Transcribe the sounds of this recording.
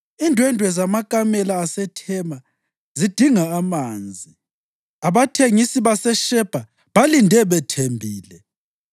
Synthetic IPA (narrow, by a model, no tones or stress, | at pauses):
indʱwɛndʱwɛzamakʼamɛlaːsɛtʰɛma | zid̥ʱiŋaːmaːnd͡zʱi | aβatʰeŋisiβasɛʃɛb̥ʱa | βalindʱɛβɛtʰembʱiːlɛ